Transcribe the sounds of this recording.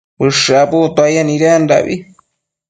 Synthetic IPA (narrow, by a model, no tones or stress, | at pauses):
pɨʂaput̪oajaniɾand̪a̰βḭ